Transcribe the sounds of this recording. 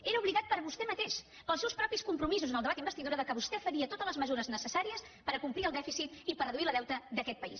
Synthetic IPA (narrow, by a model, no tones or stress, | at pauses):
eɾəuβliɣat̪̚pəɾβust̪ɛmət̪eʃ | pəlˠsɛwspɾɔpiskumpɾumizuzənəlˠd̪βad̪imbəst̪iðuɾəðəkəβust̪ɛfəɾiət̪ot̪ələzməzuɾəznəsəsaɾiəs | pəɾəkumpliəlˠd̪ɛfisit̪ipərəðuiləðɛwt̪əd̪əkɛt̪̚pəḭs